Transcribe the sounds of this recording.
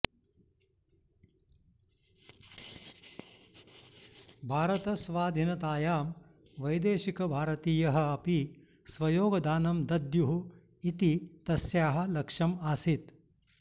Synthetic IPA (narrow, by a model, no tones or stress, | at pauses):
bʱaːɾɐt̪ɐsʋaːd̪ʱinɐt̪aːjaːm | ʋɐjd̪eːʃikɐbʱaːɾɐt̪iːjɐɦɐ̆ɐpi | sʋɐjoːɡɐd̪aːnɐmd̪ɐd̪juɦu | it̪it̪ɐsjaːɦɐ̆lɐkʂɐmaːsit̪